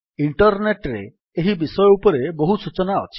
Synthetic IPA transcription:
iɳʈɔɾneʈɾeː | ɦibisɔjɔupɔɾeboɦusut͡ʃɔnaɔ̰t͡ʃʰi̥

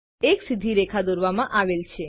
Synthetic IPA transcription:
eksid̪ʱːiɾekʰad̪oɾʋamãʔaʋelt͡ʃʰe

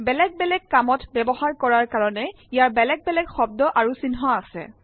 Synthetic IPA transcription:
bɛlɛɡ̚bɛlɛɡ̚kamɔtbɛbɔɦaɹkɔɹaɹkaɹɔnɛ | ijaɹbɛlɛɡ̚bɛlɛɡxɔb̚dɔʔaɹusinɦɔasɛ̰

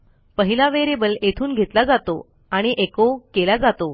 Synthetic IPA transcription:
pəɦilaʋeɾebəlet̪ʰuːnɡʱet̪lad͡zat̪o | aɽ̃iʔekokelad͡zat̪o

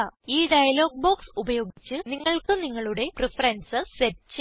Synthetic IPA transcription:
iːɖɐjɐlo̞ːɡ̚bo̞ːksubɐjo̞ːɡit͡ɕːɨniŋːɐɭkɨniŋːɐɭuɽe̞prifɐɾɐnsɨsetːt͡ɕ

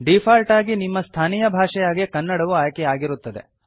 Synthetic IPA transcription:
ɖipʰaːlʈaːɡinimːɐst̪ʰaːnijɐbʱaːʂɛjaːɡekɐnːɐɽɐʋuaːjkɛaːɡiɾut̪ːɐd̪ḛ

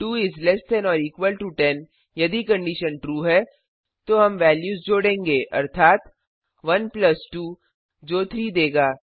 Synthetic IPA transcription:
ʈuːɪzlɛsʈɛ̃nɔːɾiːkʋəlʈuʈɛn | jɐd̪ikɐ̃ɳɖiʃənʈɾuːɦɛ | t̪oɦɐmʋɛːljuːzd͡ʒoːɽẽːŋɡeːʔɐ̰ɾt̪ʰaːt̪ | ʋɐnplɐsʈuː | d͡ʒoːt̪ʰɾiːd̪eːɡaː

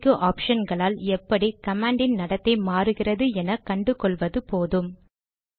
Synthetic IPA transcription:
kːɯʔaːpʂɐnɡɐɭaːlɛpːɐɽikɐmaːɳɖɪnnɐɽɐt̪ːɐɪmaːɾɯɣɪrɐðɯɛnɐkɐɳɖɯkɔɭʋɐðɯpoːðɯm

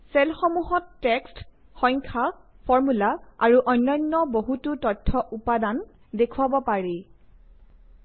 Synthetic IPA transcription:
sɛlxɔmuɦɔtːekst | xɔjŋkʰa | pʰɔɹmulaaɹuʔɔjnːɔjnːɔboɦututɔtʰːɔʔupadan | dekʰuwabɔpaɹi

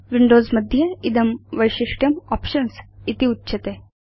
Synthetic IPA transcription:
ʋiɳɖozməd̪ʱjəid̪əmʋəjɕiʂʈjɐmɔpɕənsit̪iutːɕʰɐt̪e

